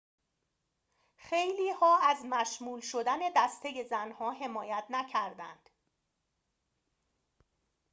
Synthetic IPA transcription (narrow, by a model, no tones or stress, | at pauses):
xejliːhɒːæzmæʃmuːlʃo̞d̪æne̞d̪æst̪ʰe̞je̞zænhɒːɦe̞mɒːjæt̪ʰnæcʰæɾd̪æ̰nd̪̥